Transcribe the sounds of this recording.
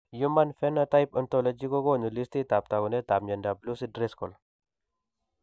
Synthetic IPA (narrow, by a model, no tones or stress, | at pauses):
jumanfenat̪ajpənt̪oləd͡ʒiɡoɡonulist̪it̪ap̚t̪aɡunet̪amjɐndablusidɾeskol